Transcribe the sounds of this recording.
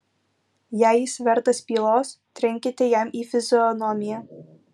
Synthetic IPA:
jæjɪsʋʲɛɾt̪ɐspʲiːlˠoːs | t̪ʲɾʲɪŋʲkʲɪt̪ʲɛjɛmiːfʲɪzʲɔnɔmʲɪjæ

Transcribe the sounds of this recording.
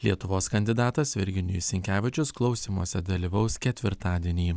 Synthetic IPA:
lʲiɛt̪ʊʋoːskɐnʲd̪ʲɪd̪ɑːt̪ɐsʋʲɪɾʲɡʲɪnʲɪjʊsʲɪŋʲkʲæːʋʲɪt͡ʃʲʊsklˠɒʊsʲiːmuɔsʲɛd̪ɐlʲiːʋɐʊskʲɛt̪ʲʋʲɪɾt̪ɑːd̪ʲiɛnʲiː

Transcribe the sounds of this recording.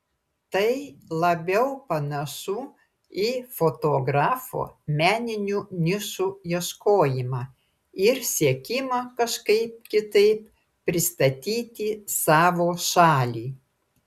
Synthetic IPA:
t̪ɐɪlˠɐbʲɛʊpɐnɐʃuː | iːfoːt̪oːɡɾɑːfo̰ːmʲæːnʲɪnʲuːnʲɪʃuːjiɛʃkoːjɪmɑː | ɪɾsʲiɛkʲɪmɐkɐʃkɐɪp̚kʲɪt̪ɐɪp | pːʲɾʲɪst̪ɐt̪ʲiːt̪ʲisɑːʋoːʃɑːlʲiː

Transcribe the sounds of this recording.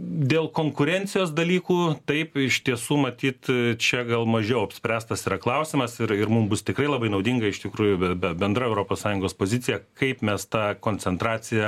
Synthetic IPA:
d̪ʲeːlˠkoːŋkʊɾʲɛnʲt̪t͡ssʲɪjoːs̬d̪ɐlʲiːkuːt̪ɐɪpɪʃt̪ʲiɛsuːmɐt̪ʲiːt̪t͡ʃʲɛɡɐlˠmɐʒʲɛʊɐpʲsʲpʲɾʲæːst̪ɐsiːɾɐklˠɐʊsʲɪmɐsɪɾɪɾmʊmbʊst̪ʲɪkɾɐɪlˠɐbɐɪnɐʊd̪ʲɪŋɡɐɪʃt̪ʲɪkɾuːjʊbʲɛbʲɛtbʲɛnd̪rɐɛʊɾoːpoːssɑːjʊŋɡoːspoːzʲɪt͡s̪ʲɪjɛkɐɪpmʲɛst̪ɑːkoːnʲt͡sʲɛnt̪ɾɑːt͡s̪ʲɪjɛ

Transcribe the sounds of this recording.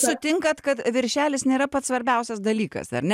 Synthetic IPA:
sʊt̪ʲɪŋkɐt̪kɐt̪ʋʲɪɾʲʃʲæːlʲɪsnʲeːɾɐpɐt̪sʋɐɾʲbʲɛʊsʲɛsd̪ɐlʲiːkɐ̰sɐ̰ɾnʲɛ

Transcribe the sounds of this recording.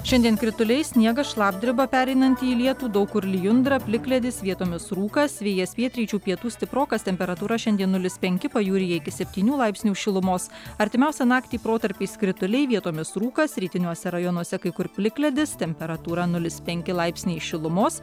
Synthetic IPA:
ʃʲɛnʲd̪ʲiɛnkɾʲɪt̪ʊlʲɛɪsʲnʲiɛɡɐʃlˠɑːb̚ʲd̪ʲɾʲɪbɐpʲæːɾʲɛɪnɐnʲt̪ʲiːlʲiɛt̪uːd̪ɐʊkʊɾʲlʲɪjʊnd̪ɾɐpʲlʲɪklʲɛd̪ʲɪsʋʲiɛt̪oːmʲɪsɾuːkɐsʋʲiɛjɛspʲiɛt̪ʲɾʲiːt͡ʃʲuːpʲiɛt̪uːsʲt̪ʲɪpɾoːkɐst̪ʲɛmʲpʲɛɾɐt̪uːɾɐʃʲɛnd̪ʲiɛnːʊlʲɪspʲɛŋʲkʲɪpɐjuːɾʲɪjɛɪkʲɪsʲɛpʲt̪ʲiːnʲuːlˠɐɪpʲsʲnʲuːʃʲɪlˠʊmoːsɐɾʲt̪ʲɪmʲɛʊsʲɛnɑːkt̪ʲiːpɾoːt̪ɐɾʲpʲiːskɾʲɪt̪ʊlʲɛɪʋʲiɛt̪oːmʲɪsɾuːkɐsɾʲiːt̪ʲɪnʲuɔsʲɛɾɐjoːnuɔsʲɛkɐɪkʊɾpʲlʲɪklʲɛd̪ʲɪst̪ʲɛmʲpʲɛɾɐt̪uːɾɐnʊlʲɪspʲɛŋʲkʲɪlˠɐɪpʲsʲnʲɛɪʃʲɪlˠʊmoːs

